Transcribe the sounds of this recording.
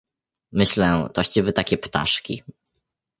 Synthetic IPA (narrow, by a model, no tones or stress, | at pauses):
mɘɕlɛt̪ɔɕt͡ɕivɘt̪akʲɛpt̪a̰ʂkʲḭ